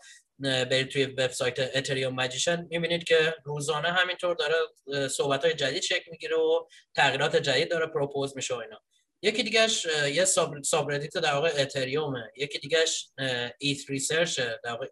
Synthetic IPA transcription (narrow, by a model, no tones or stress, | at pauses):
beɾid̪̚t̪ʰujeveb̥sɒːjt̪ʰeʔːt̪ʰeɾiomːæd͡ʒiʃenmibiːnid̪̥̚cʰe̞ɾuːzɒːneɦæmint̪ʰoɾd̪ɒːɾeso̞hbæt̪ʰhɒːjed͡ʒæd̪iːd̪̥ʃekʰlmiɟiːɾeot̪ʰæɣiːɾɒːt̪ʰe̞d͡ʒæd̪iːd̪̚ːɒːɾepʰɾopʰozmiːʃeoiːnhɒː | je̞ciːd̪iːɟæʃjesbsɒbɾed̪it̪ʰed̪æɾvɒːɣeːt̪ʰeɾiomejecʰid̪iːɟæʃ | it̪ʰɾiseɾt͡ʃed̪æɾvɒːɣe